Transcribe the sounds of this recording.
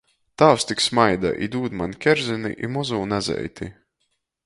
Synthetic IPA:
t̪aːwst̪iksmajd̪a̰ʔḭd̪uːd̪mankʲɛɾzinḭʔḭmɔzuːnazɛ̰jt̪ʲi

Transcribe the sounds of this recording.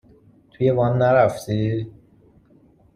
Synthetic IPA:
t̪ʰujebɒːnːæɾæft̪ʰi

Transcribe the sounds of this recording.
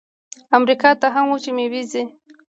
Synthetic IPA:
amɾikɑt̪aɦamwut͡ʃemewizi

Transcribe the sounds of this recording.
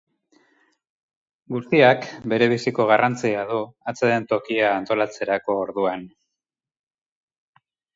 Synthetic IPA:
ɡust̪iakbe̞ɾe̞β̞isiko̞ɣ̞arʔant͡siaðuat͡seðe̞nt̪o̞kiaːnt̪o̞lat͡se̞ɾako̞ːɾðuan

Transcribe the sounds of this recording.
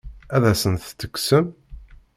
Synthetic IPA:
æðæsənθt̪ːəkʷːsəm

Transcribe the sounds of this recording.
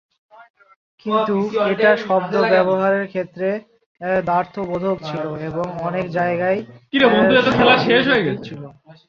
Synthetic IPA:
kint̪ueʈaʃɔb̚d̪obɛboɦaɾeɾkʰet̪ːɾe | d̪aɾt̪ʰobod̪ʱok̚t͡ɕʰiloeboŋɔnekd͡ʑaeɡajk̪iɾabonuɛt̪ofʰelaɾʃeʃɦoeɡett͡ɕʰilo

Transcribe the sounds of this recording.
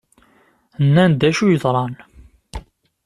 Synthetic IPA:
ənːænd̪æʃujəðˤɾˤɑn

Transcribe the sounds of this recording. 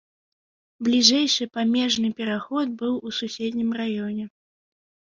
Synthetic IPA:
blʲiʐɛjʂɨpamʲɛʐnɨpʲɛɾaxɔd̪̚bɨwususʲɛd̪ʲnʲimrajɔnʲɛ

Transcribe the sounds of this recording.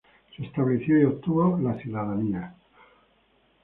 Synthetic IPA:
se̞ːst̪aβleθjoiot̪uβolaθiðaðania

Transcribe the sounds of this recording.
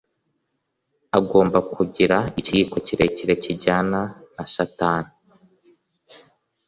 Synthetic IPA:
aɡo̞ːmbakʰuɟiɾaiciko̞ciɾe̞ciɾe̞ciɟananaʃataːnu

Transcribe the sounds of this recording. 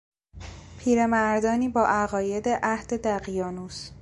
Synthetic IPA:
pʰiːɾe̞mæɾd̪ɒːniːbɒːʔæɣɒːje̞d̪e̞ʔæhd̪̥e̞d̪æɣijɒːnuːs

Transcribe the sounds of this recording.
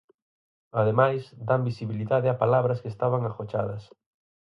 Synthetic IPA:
aðemajsd̪ambisiβiliðaðɪapalaβɾɐskest̪aβaŋaxot͡ʃaðɐs

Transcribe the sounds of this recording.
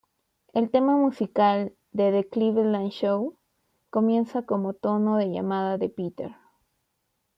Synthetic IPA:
e̞lt̪e̞mamusikal | d̪eðekliβelanʃow | ko̞mje̞nsako̞mo̞t̪o̞no̞ðe̞ʝa̰maðaðe̞pit̪ḛɾ

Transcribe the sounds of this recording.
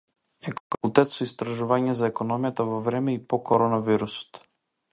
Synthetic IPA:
ɛkɔfakulˠt̪ɛt̪sɔist̪ɾaʒuvaɲɛzaɛkɔnɔmjat̪avɔvɾɛmɛipɔkɔɾɔnaviɾusɔ̥t̪

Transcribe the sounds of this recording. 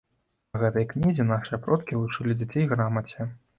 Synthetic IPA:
ɣɛt̪ɐjknʲizʲinaʂɨjɐpɾɔt̪kʲilˠut͡ʂɨlʲid͡zʲat͡sʲejɣɾamɐt͡sʲɛ

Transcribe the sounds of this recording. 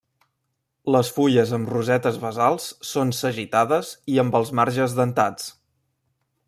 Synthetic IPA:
ləsfuʎəzəmruzɛt̪əzβəzalˠsːonsəʒit̪aðəziəmbəlˠzmaɾʒəzðənt̪at͡s

